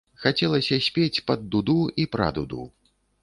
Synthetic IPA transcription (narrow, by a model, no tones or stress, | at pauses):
xat͡sʲɛlˠɐsʲɐsʲpʲet͡sʲpɐd̪ːud̪uipɾa̰d̪ud̪ṵ